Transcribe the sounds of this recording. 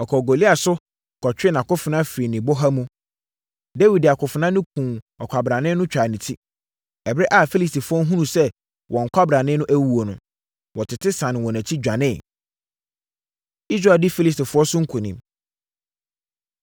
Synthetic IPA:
ɔ˨kʰɔ˨ɡo˨li˦a˨sʊ˦ | kʰɔ˨t͡ɕᶣɪ˦nã˨kʊ˦fɪ˨nã˦fɾi˨nɪ̃˨bo˦ɦa˦mũ˦ | de˦wi˨da˨kʰʊ˨fɪ˨nã˦nʊ̃˦kʰũː˨ | ɔ˨kʷʰa˨bɾa˨nɪ̃˦nʊ̃˦t͡ɕᶣa˨nĩ˨tʰi˦ | ɛ˨bɾɛ˦ʔa˨fi˦li˨sti˨fʊ˨˦ɔ˦ɦũ˦nũ˨sɛ˦ | wʔɔ̃˨ŋ̩˨kʷʰa˦bɾa˨nɪ̃˦nʊ̃˦ʔæ˦wu˨o˨nʊ̃˨ | wɔ˨tʰɪ˨tʰɪ˦sã˨nɪ̃˨wɔ̃˨næ̃˨t͡ɕʰi˦d͡ʑᶣa˨nɪ̃˦˨ | i˦s̬ɾa˨dɪ˦fi˦li˨s̬ti˨fʊ˨˦ɔ˦sʊ̃˦ŋ̩˦kʰũ˨nĩ˨m

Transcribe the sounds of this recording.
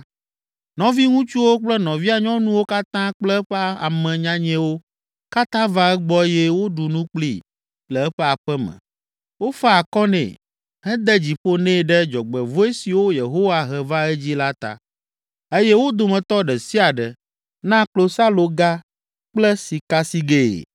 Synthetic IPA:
nɔ̃˨˦vi˦ŋũ˦t͡ʃu˦wo˦k͡plɛ˦nɔ̃˨vi˦a˨ɲɔ̃˦nũ˦wo˦ka˦t̪ã˦k͡plɛ˦ɸɛ˦a˨mɛ̃˨ɲã˦ɲɛ̃˦wo˦ | ka˦t̪ã˦va˦ɛ˦ɡ͡bɔ˦jɛ˦wo˦ɖu˨nũ˦k͡plḭ˦ | lɛ˨ɛ˦ɸɛ˦a˨ɸɛ˦mɛ̰̃˨ | wo˦fɛ˦a˨kɔ˦nɛ̰̃˨ | ɦɛ̃˦d̪ɛ˦d͡ʑi˨ɸo˦nɛ̃˦˨ɖɛ˦d͡ʒɔ˨ɡ͡bɛ˨vo˦e˦si˨wo˦je˨ɦo˦wa˨ɦɛ˨va˦ɛ˦d͡ʑi˦la˦t̪a̰˨ | e˦jɛ˦wo˦d̪o˨mɛ̃˨t̪ɔ˦ɖɛ˨si˦a˨ɖɛ˨ | nã˦klo˦sa˦lo˨ɡa˦ | k͡plɛ˦si˨ka˦si˦ɡḛ˨

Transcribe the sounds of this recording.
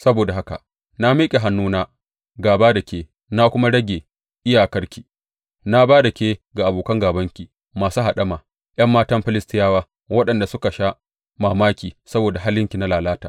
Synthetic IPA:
sɐ˦boː˨da˨ɦa˦ka̰˨ | na˦miː˦kʲʼe˨ɦa˦nːuː˦naː˦ | ɡaː˨baː˦dɐ˨kʲeː˦ | na˦kʷʊ˦ma˦ɽɐ˦ɡʲeː˨ | ʔɪ˦jaː˨kɐ˦ɽkʲi˨ | na˦baː˦da˨kʲeː˦ɡa˨ʔa˨boː˨kɐ˦ŋɡaː˨bɐ˦ŋkʲi˨ | maː˨su˦ɦa˨ɗɐ˦maː˨ | j̰ɐ˦mːaː˦tɐ˦mɸɪ˦lɪ˦stɪ˦jaː˦waː˦ | wɐ˦ɗɐ˨nda˨sʊ˦ka˨ʃa˦ | maː˨maː˦kʲiː˨sɐ˦boː˨da˨ɦa˦lːɪ˦ŋkʲi˨na˦laː˨laː˦taː˨

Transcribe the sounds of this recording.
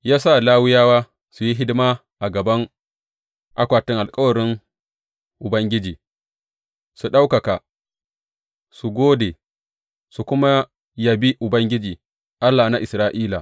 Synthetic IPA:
jaː˦sa˦˨laː˦wɪ˦jaː˦waː˦ | su˨ji˦ɦɪ˦dɪ˦ma˦ | ʔa˨ɡɐ˨bɐ˦ŋ | ʔa˦kʷaː˨tɪ˦ŋʔa˨lkʼɐ˦wɐ˨ɾɪ˦ŋ | ʔʊ˨bɐ˦ŋɡʲɪ˦d͡ʒiː˨ | su˨ɗa˦wkɐ˨ka˨ | su˨ɡʷoː˦de˨ | su˨kʷʊ˦ma˦ | ja˨bi˦ʔʊ˨bɐ˦ŋɡʲɪ˦d͡ʒiː˨ | ʔa˦lːaː˨na˦ʔɪ˨sɾaː˦ʔiː˦la˨

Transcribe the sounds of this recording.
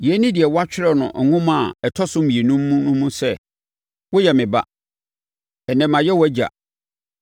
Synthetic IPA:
jɛ˨˦nĩ˦dɪ˨ɛ˨wɔ˦a˦t͡ɕᶣɪ˦ɾɛ˨nʊ̰̃˨ŋ̩˨ŋʊ̃˦mã˨ɛ˨tʰɔ˦sʊ̃˦m̩˦ĩ˨e˨nũ˦m̩ː˦ũ˦nʊ̃˦mũ˦sɛ˦˨ | wɔ˦jɛ˨mɪ̃˨ba̰˦ | ɛ˨nɛ̃˨mã˨jɛ˦wɔ˦æ˦d͡ʑa̰˨

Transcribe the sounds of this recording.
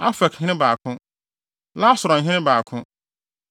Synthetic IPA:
a˦fɛ˨khɪ̃˦ɪ̃˦baː˨kʰʊ̃˦ | la˦sʊ˨ɾɔ˨ɦɪ̃˦nɪ̃˦baː˨kʰʊ̃˦

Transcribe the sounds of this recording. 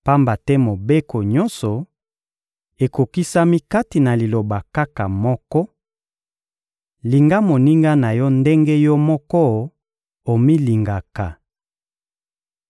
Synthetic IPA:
pa˦mba˨tɛ˦mo˨be˦ko˨ɲɔ˦nsɔ˨ | e˨ko˨ki˦sa˦mi˦ka˦ti˨na˨li˨lo˨ba˨ka˦ka˨mɔ˦kɔ˦ | li˨ŋɡa˦mo˨ni˦ŋɡa˦na˨jɔ˦nde˦ŋɡɛ˦jɔ˦mɔ˦kɔ˦ | o˨mi˦li˨ŋɡa˨ka˨

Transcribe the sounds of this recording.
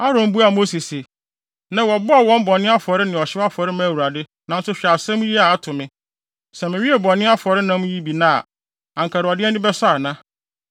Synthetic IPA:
a˦ɾõ˨m˦bu˦a˨mo˦si˨se˨ | nã˨wɔ˨bʊ˦a˨wɔ̃˦m˦bɔ˨nɪ̃˦a˦fɔ˨ɾɪ˦nɪ̃˨ɔ˨ɕɪ˦ba˦fɔ˨ɾɪ˦mã˦˨wu˨ɾa˨dɪ˦ | nã˨n̩˦sʊ˦ɕᶣa˨sɛ̃˦m˦ji˦a˨a˦tʰʊ̃˨mɪ̃˦ | sɛ˨mɪ̃˨ɲĩ˦e˨bɔ̃˨nɪ̃˦a˦fɔ˨ɾɪ˦nã˦m̃˦ji˦bi˨nã̰ː˦˨ | ã˨ŋ̩˨kʰa˨ɾɪ˨ɔ˨dɪ˦ɛ˦nɪ̃˦bɛ˦sa˦˨nã˦

